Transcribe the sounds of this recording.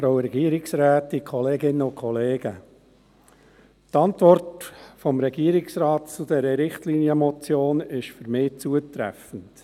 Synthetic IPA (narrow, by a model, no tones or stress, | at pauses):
fɾaʊɾɛɡiəɾɪksɾæːtikʰɔleːɡɪnːəʊkʰχɔleːɡə | tɑntʋɔrtfɔmɾɛɡiəɾɪksɾɑːtt͡sʊd̪ɛɾəɾɪχtliːniəmɔt͡sjoːnɪʃfʏɾmɪːt͡suətɾæ̰fən̩t